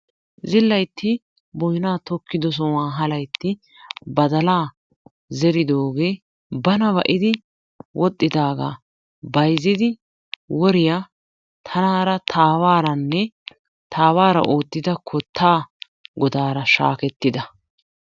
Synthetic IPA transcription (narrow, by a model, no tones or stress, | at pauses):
zɪlːɐjt̪ʰːɪ | bɔjnaːt̪ɔkːɪd̪ɔs̬ɔwaːɦɐlɐjt̪ːɪ | bɐd̪ɐlaː | zɛɾɪd̪oːɡe̞ː | bɐnɐbɐʔɪd̪ɪ | wʔɔt̪ʼːɪd̪aːɡa̰ː | bɐjzɪd̪ɪ | wɔɾɪja | t̪ʰɐnaːɾɐt̪ʰaːwaːɾɐnːɛ | t̪aːwaːɾɐ̰ʔoːt̪ːɪd̪ɐkʰɔt̪ʰːaː | ɡɔd̪aːɾɐʃa̰ːkɛt̪ːɪd̪ɐ